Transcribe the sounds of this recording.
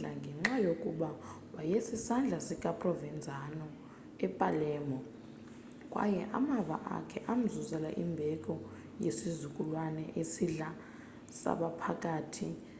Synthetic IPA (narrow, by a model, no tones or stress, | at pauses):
a̰ŋɡʱɛŋ͡ǁajokʼuɓa | ɓajesisand͡ɮʱasik̬ʼapʼrɔvɛnd͡zʱanɔ | ɛpʼalɛːmɔ | k̬ʼwa̰jɛʔa̰maɓa̰ʔa̰kʰɛʔam̩zuzɛlaʔimbʱɛk̬ʼɔ | jesizukʼulwanɛʔesiɮa | sa̰ɓapʰakʼaːtʰi